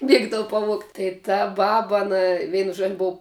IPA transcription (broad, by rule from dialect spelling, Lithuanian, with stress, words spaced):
ˈmʲiɛɡdɐʋʊ pɐˈʋuɔktʲ tɐɪ tɐ ˈbɑːbɐ ɐˈnɐ ˈʋʲɛɪnʊ ʒuɔ ˈboːʊ